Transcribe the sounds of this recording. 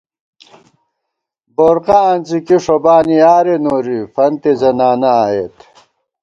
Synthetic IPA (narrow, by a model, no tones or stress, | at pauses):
boːɾqaɐnt͡sikiʂobaːniaːɾenoːɾifɐnt̪ezɐnaːnɐaːet̪